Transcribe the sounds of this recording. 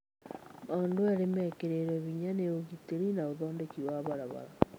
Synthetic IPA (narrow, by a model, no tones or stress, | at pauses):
ɔndoaɾemɛkeɾeɾwɛβiɲaneoɣiteɾinaoðɔːndekiwaβaɾaβa̰ɾa